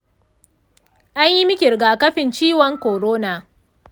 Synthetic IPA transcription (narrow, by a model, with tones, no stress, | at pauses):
ʔa˦ɲji˦mɪ˦kʲɪ˨ɾɡaː˨kɐ˦ɸɪ˨nt͡ʃiː˦wɔ˦ŋkoː˨ɾoː˦naː˨